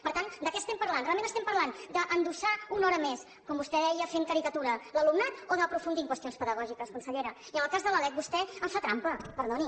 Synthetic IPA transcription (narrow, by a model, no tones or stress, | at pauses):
pəɾt̪and̪əkɛəst̪ɛmpəɾlanrealˠmenəst̪ɛmpəɾland̪əʔənd̪uʃaunɔɾəmes | kɔmbust̪ɛðɛjəfeŋkəɾikət̪uɾələlumnat̪oðəpɾufund̪iŋkwəst̪ionspəðəɣ̞ɔʒikəskunsəʎeɾə | iənəlˠkazðələlɛk̚bust̪ɛəɱfat̪ɾampəpəɾðɔni